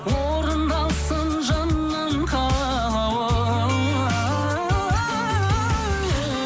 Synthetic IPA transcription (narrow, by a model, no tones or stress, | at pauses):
woɾənd̪ɑlˠsənʒənːəmqʰɑ | lˠɑw